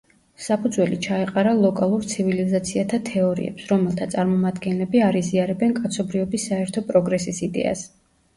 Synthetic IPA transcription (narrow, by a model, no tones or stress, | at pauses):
sapʰud̪zwɛlit͡ʃʰaɛqʼaɾalˠɔkʼalˠuɾt̪sʰivilizat̪sʰiat̪ʰat̪ʰɛɔɾḭɛ̰psɾɔmɛlˠt̪ʰat̪sʼaɾmɔmad̪ɡɛnlɛbiaɾiziaɾɛbɛnkʼat̪sʰɔbɾiɔbisːaɛɾt̪ʰɔpʼɾɔɡɾɛsisid̪ɛ̰a̰s